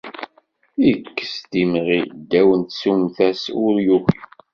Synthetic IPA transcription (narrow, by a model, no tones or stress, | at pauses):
ikːə̥sd̪imʁid̪ːæwənt̪sumθæsʊɾjuxi